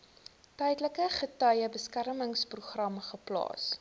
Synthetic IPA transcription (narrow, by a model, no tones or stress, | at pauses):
tɛjdləkəχətœjəbəskærməŋspruχrɐmχəplɑ̰ːs